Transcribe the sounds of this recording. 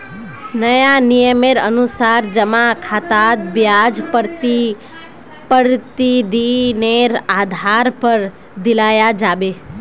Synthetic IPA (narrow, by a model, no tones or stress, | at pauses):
nəjanijəmeɾə̰nusaɾd͡ʒəmakʰat̪ad̪bjad͡ʒpəɾt̪i | pəɽt̪id̪ineɾad̪ʱaɾpəɾ | d̪ɪlajad͡ʒaʋe